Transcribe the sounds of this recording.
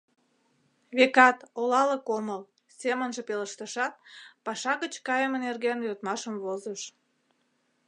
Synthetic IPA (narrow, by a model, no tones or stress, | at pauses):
βekɑt̪olɑləkoməl | semənʒəpeləʃt̪əʃɑt̪̚pɑʃɑɣət͡ɕkɑjəmənerɣenjot̪mɑʃəmβozəʃ